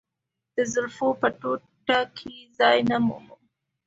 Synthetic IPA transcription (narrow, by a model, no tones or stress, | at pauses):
d̪̥əzʊɾfopəʈo | ʈakʰizɑjnamṵmu